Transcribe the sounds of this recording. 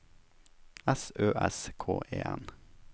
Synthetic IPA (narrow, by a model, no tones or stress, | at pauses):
ɛsøːʔɛskʰo̰ːʔeːɛn